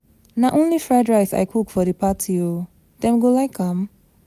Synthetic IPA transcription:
naʔõnlifɹaɪdɹaɪsa̰ɪkʰukfɔdəpʰatʰio | dɛ̃mɡolaɪkʰːãm

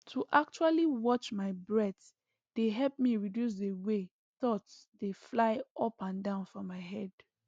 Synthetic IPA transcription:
tʰuʔak̚t͡ʃualiwɔt͡ʃmaɪbɹɛθ | d̥eɦɛlpmiɹidjus̬dewe | θɔtsdeflaɪʔɔpãndãʊ̃nfɹɔ̃mːaɪɦɛd̥

